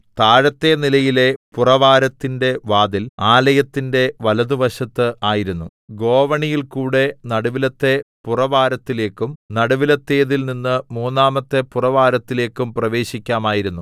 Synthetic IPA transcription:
t̪aːɻɐt̪ːe̞nilɐjile̞purɐʋaːɾɐt̪ːinde̞ʋaːd̪ilaːlɐjɐt̪ːinde̞ʋɐlɐd̪uʋɐɕɐt̪ːɨaːjiɾunːu | ɡo̞ːʋɐɳijilkuːɽe̞nɐɽɐʋilɐt̪ːe̞purɐʋaːɾɐt̪ːile̞ːkːumnɐɽɐʋilɐt̪ːe̞ːðilninːɨmuːnːaːmɐt̪ːe̞purɐʋaːɾɐt̪ːile̞ːkːumprɐʋe̞ːɕikʲːaːmaːjiɾunːu

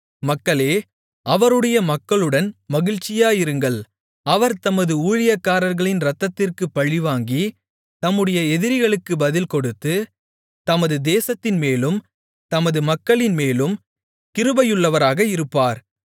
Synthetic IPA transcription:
mɐkːɐɭeː | ɐʋɐɾɯɽɐjɐmɐkːɐɭɯɽɐnmɐɣɪɻt͡ʃːɪjaːɪɾɯŋɡɐɭ | ɐʋɐɾt̪ɐmɐðɯuːɻɪjɐkːaːɾɐɾɣɐɭɪnɾɐt̪ːɐt̪ːɪrkɯpːɐɻɪʋaːŋɡi | t̪ɐmːɯɽɐjɐɛðɪɾɪɣɐɭɯkːɯbɐðɪlkɔɽɯt̪ːɯ | t̪ɐmɐðɯd̪eːsɐt̪ːɪnmeːlɯm | t̪ɐmɐðɯmɐkːɐɭɪnmeːlɯm | kɪɾɯbɐjɯɭːɐʋɐɾaːɣɐɪɾɯpːaːɾ

